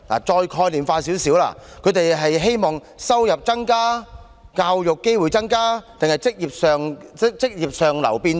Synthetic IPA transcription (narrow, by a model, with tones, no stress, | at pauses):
la̰˨˩t͡ʃɔː˧jkʰɔː˧jliː˨mfaː˧siː˨˥wsiː˨˥wla̰ː˧˥kʰɵ˨˧ɥt̪e˨jɦɐ˨jɦe˥jmɔː˨˩ŋ | sɐ˥wjɐ˨p̚t͡sɐ˥ŋkaː˥ | kaː˧wjʊ˨kːe˥jwuː˨jt͡sɐ˥ŋkaː˥t̪e˨ŋhɐ˨jt͡sɪ˥k̚jiː˨p̚sœː˨ŋɪ˥k̚t͡sɪ˥k̚jiː˨p̚sœː˨ŋlɐ̰˨˩wpiː˧n